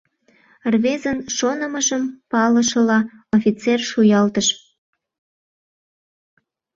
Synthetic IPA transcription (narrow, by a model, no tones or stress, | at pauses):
rβezənʃonəməʒəmpɑləʃəlɑofʲit͡serʃujɑlt̪əʃ